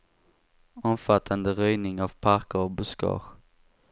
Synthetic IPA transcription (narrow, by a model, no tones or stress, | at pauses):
ɔmfat̪ʰːand̪əɾyjnɪŋavpʰaɾkəɾɔbʊskɑ̰ːɾ